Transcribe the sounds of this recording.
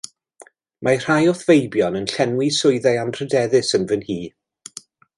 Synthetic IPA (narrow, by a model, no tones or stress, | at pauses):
mar̥ajɔθvejbjɔnənɬɛnwisʊɨðɛanʰr̥ədɛðɨsənvənhiː